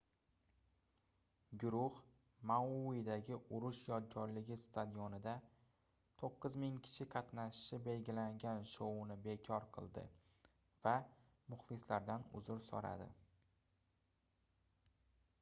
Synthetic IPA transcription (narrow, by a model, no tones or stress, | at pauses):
ɡʊɾʊh | mauwid̪aɡʲɪʔʊɾʊʃjɒd̪̚ɡʲɒɾlɪɡʲɪst̪ʰad̪ijonɪd̪a | t̪ʰoqːɨzmɪŋkʲʰɪ̥ʃʰɪqʰɑt̪naʃɪʃɪbe̞lɡʲɪlaŋɡʲanʃownɪbe̞kʰɒɾqʰɨ̰lˠd̪ɪ̰ | va | mʊχlˠɪslaɾd̪anʊ̰zʊɾsɒ̰ɾa̰d̪ɪ̰